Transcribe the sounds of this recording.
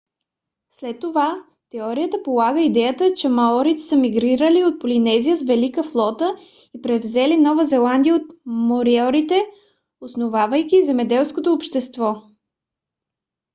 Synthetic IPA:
slɛt̪ːova | t̪ɛɔɾijət̪əpolˠaɡəid̪ɛjət̪ət͡ʃɛmaɔɾit̪ɛ̥səmiɡɾiɾəliot̪̚polinɛzijəzvɛlikəflˠɔt̪ə | ipɾɛvzɛlinɔvəzɛlˠand̪ijəot̪moɾiɔɾit̪ɛ | osnovavəjkʲizɛmɛd̪ɛlˠskot̪oːpʃt̪ɛst̪vɔ

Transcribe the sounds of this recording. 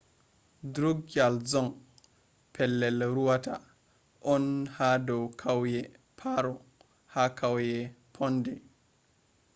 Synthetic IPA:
dɾuɡalzɔŋ | pʰɛlːɛlɾuwata | ʔɔnhadɔwkʰawjɛ | pʰaɾɔ | hakʰawjɛpʰɔndɛ

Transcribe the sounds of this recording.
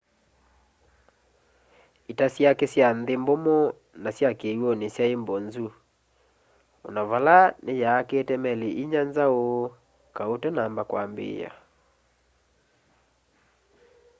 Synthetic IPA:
itasjakesjanðembomo | nasjakewɔnesjaembɔnzu | ɔ̰naβalanejaːkeːtɛmɛleʔiɲanzao | kaotɛnambakwaːmbḛːja̰

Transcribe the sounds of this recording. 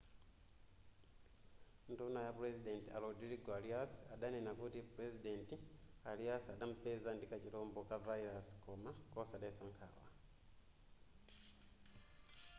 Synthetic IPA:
ntunajapuɾezidentia̰lodiɾiɡwaliasi̥adanenakutipuɾezidentialiasiadamupezandikaciɾoːmbokavaiɾasi̥kʰomakosadesaŋkʰa̰wa̰

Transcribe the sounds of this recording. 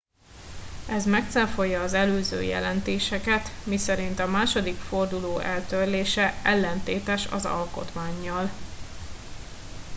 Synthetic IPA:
ɛzmɛk̚t̪sɛɱfo̞jːɒːzɛløːzø̰ːjɛ̰lɛnt̪eːʃɛkɛt̪misɛɾint̪ɒmaːʃo̞d̪ikfo̞rd̪uloːʔɛlt̪ørleːʃɛɛlːɛnt̪eːt̪ɛʃɒ̰zɒ̰lko̞̰t̪maːɲːɒl

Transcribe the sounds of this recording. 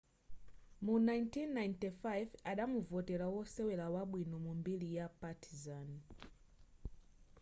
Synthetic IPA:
munajntʰinːajntifajvaɗamuvɔtɛlawɔsɛwɛlawaɓwinɔmumbilijapatʰizan

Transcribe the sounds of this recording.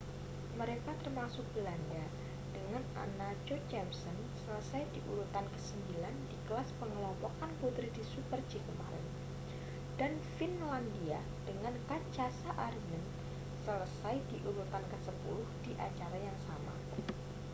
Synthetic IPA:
məɾekat̪ərmasʊk̚b̥əlanda | d̥əŋana̰nad͡ʒot͡ʃɛmsɔn | sələsajdiʔuɾut̪ankəsəmbilandiɡəlaspəŋlɔmpɔkanput̪ɾidisupərd͡ʒikəma̰ɾɪ̰n | d̥anfinlandia | d̥əŋankad͡ʒasaʔarnən | sələsajdiʔuɾut̪ankəsəpṵɾʊhd̥iʔat͡ʃaɾajaŋsama̰

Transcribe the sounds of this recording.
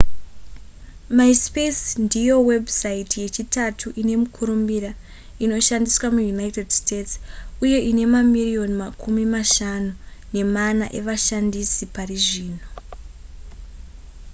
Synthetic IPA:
maispesndijo̞we̞bʱsaitje̞t͡ʃitatʰuʔine̞mukʰuɾumbiɾa | ino̞ʃandiswamujunaite̞dstetsuje̞ʔine̞mamirio̞nimakʰumimaʃanune̞manaʔe̞ʋaʃandisipariʐiːno̞

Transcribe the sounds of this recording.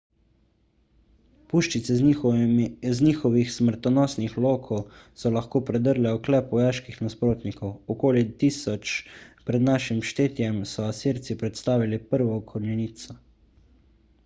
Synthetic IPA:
puːʃt͡ʃit̪sɛ | zniːxɔʋixsməɾt̪ɔnɔːsnixloːkʰɔwsɔlaxkoːpɾɛd̪əɾlɛɔklɛːpʋɔjaːʃkixnaspɾoːt̪nikɔwɔkoːlit̪iːsɔt͡ʃpɾɛd̪naʃimʃt̪eːt̪jɛmsɔasiɾt̪sipɾɛt̪st̪aːʋilipəɾʋɔkʰɔɾnɛniːt̪sɔ

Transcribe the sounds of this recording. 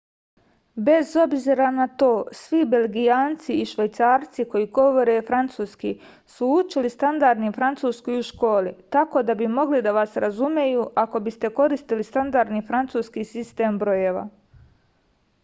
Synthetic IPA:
be̞zo̞bziɾanat̪o̞ːsʋibe̞lɡijaːnt̪siiʃʋajt̪saːɾt̪siko̞jiɡo̞ʋo̞ɾe̞fɾant̪suːski | suut͡ʃilist̪and̪aɾd̪nifɾant̪suːskojuʃko̞ːlit̪ako̞d̪abimo̞ɡlid̪aʋasɾazumjejuʔako̞bist̪e̞ko̞ɾist̪ilist̪and̪aɾd̪nifɾant̪suːskisist̪e̞ːmbɾo̞je̞ʋa̰

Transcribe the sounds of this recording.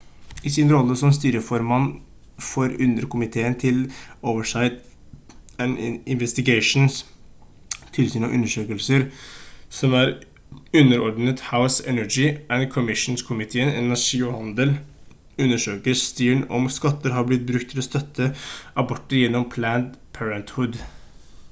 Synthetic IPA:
ɪsiːnɾɔlːəsɔmst̪yːɾəfɔɾmɑnː | fɔɾʉnd̪əɾkʊmɪt̪ʰeːənt̪ʰɪloːʋəʂɑɪt̪ | ɛnɪnʋɛst̪ɪɡæɪʂn̩s | t̪ʰɪlsyːnɔ̰ʔʉ̰nːəʂøːkəlsəɾsɔmæɾ | ʉnːəɾɔɖn̩ət̪haʊsɛnæd͡ʒɪʔænkʰɔmɪʂnskʰʊmɪt̪ʰeːənɛnæʂiːʊhɑnd̪əl | ʉnːəʂøːkəɾst̪yːəɳɔ̰mskɑt̪ːəɾɦɑɾblɪt̪̚bɾʉk̚t̪ʰɪlɔst̪œt̪ʰːəʔɑbɔʈːəɾjɛnːɔmpʰlæːnd̪pʰæɹənt̪hʉd̪

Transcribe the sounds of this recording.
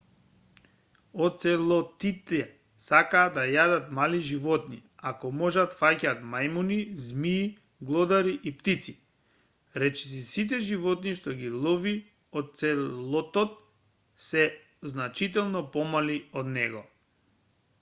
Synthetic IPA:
ɔt̪̚sɛlˠɔt̪it̪ɛ | sakaːd̪ajad̪at̪maliʒivɔt̪nḭakɔmɔʒat̪facaːt̪majmunizmiː | ɡlˠɔd̪aɾiʔipt̪it̪si | ɾɛt͡ʃɛ̥s̬isit̪̬ɛʒivɔt̪̚niʃt̪ɔɡilˠɔvi | ot̪̚t̪sɛlˠɔt̪ɔt̪̚ | sɛ | znat͡ʃit̪ɛlˠnɔpɔmaliɔd̪nɛɡɔ

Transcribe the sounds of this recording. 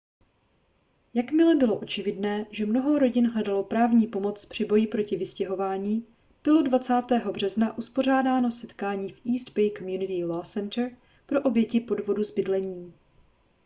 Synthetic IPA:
jakmɪlɛbɪlo̞ʔo̞t͡ʃɪvɪdnɛːʒɛmno̞ɦo̞ɾo̞ɟɪnɦlɛdalo̞pɾaːvɲiːpo̞mo̞t͡spr̝̥ɪbo̞jɪpɾo̞cɪvɪscɛɦo̞vaːɲiː | b̥ɪlo̞dvat͡saːt̪ɛːɦo̞br̝ɛznaʔuspo̞r̝aːdaːno̞sɛt̪kaːɲiːfʔiːst̪pɛjkomjunɪt̪ɪlosɛnt̪r | pɾo̞ʔo̞bjɛcɪpo̞dvo̞duzbɪdlɛɲiː

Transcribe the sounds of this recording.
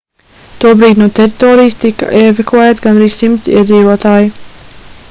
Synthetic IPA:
t̪uɔbɾiːt̪ʲnuɔt̪ɛɾit̪ɔːɾijst̪ika̰ʔɛvɛkuɛt̪ɡanɾiːssimt̪sḭɛd̪ziːvuɔt̪aːji

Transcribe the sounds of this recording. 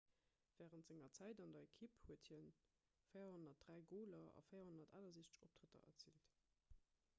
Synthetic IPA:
v̥æːʁəntz̥eŋɐt͡sæɪdɑndɐekʰiphuəthin | fəɪɐhonɐt̚d̥ʁæɪɡoːlɐɑ̰fəɪjɐhonɐta̰ːlɐziːsə̥op̚tʁ̥ətɐ̰ʔɐ̰t͡sḭːlt

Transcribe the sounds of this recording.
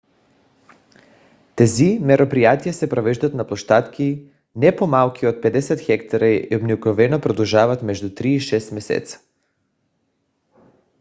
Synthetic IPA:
t̪ɛzimɛɾopɾijat̪ijɛsɛpɾɔvɛʒd̪at̪naplˠɔʃt̪at̪ki | nɛpomalˠkʰʲiɔt̪̚pɛd̪ɛsɛt̪xɛkt̪aɾaobnikɔvɛnɔpɾɔd̪ɔlˠʒavat̪mɛʒd̪ut̪ɾiːʃɛst̪mɛsɛ̰t̪sḁ

